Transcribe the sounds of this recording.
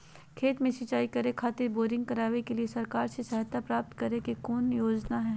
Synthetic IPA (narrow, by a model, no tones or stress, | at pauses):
kʰeːt̪mẽsɐt͡ʃaːikɐɾekʰaːt̪ɪɾboːɾɪ̃ŋɡkɐɾaːʋekeliesɐɾkaːɾsesɐɦt̪apɾaːp̚t̪kɐɾekekoːnjoːd͡ʒnaɦɛː